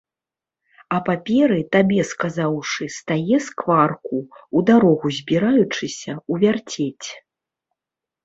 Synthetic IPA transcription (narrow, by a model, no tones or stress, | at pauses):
ɐpapʲɛɾɨt̪abʲɛskazawʂɨst̪ajɛskvarkuud̪aɾɔɣuzʲbʲiɾajut͡ʂɨsʲɐuvʲart͡sʲet͡sʲ